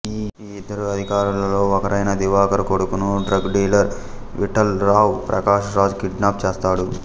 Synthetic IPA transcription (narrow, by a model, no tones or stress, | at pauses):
iː | id̪ːɐɾuɐd̪ʱikaːɾulɐlo̞ːɔkɐɾɐjnɐd̪iʋaːkɐɾɐkoɽukunuɖɾɐɡɖiːlɐɾ | ʋiʈɐlɾaːwpɾʔɐ̰kaːʃɐɾaːd͡ʒkiɖnaːp̚t͡ʃeːst̪aːɽu